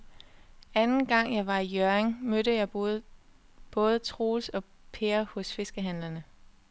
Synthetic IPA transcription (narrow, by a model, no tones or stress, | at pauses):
ænn̩ɡ̥ɑ̈ŋ̰jɑ̈ɪʋɑ̈ijøeŋmødəjɑ̈ɪ | b̥ɔ̽ːð̞ˠət͡sʰʁo̝̰ːsɒ̽ | pʰe̝ːɐhɔ̽sfe̝sɡ̥əɦænlɐnə